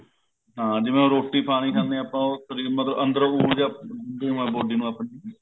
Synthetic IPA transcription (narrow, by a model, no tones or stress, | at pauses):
ɦãːd͡ʒɪʋẽːõːɾoːʈːiːpʰaːniːkʰãnd̪ẽaːpãːoːt̪oɾiːmət̪ləbə̃nd̪əɾuːɽd͡ʒaːd̪eːɦũːɛ̃ːboːɖiːnũːaːpniː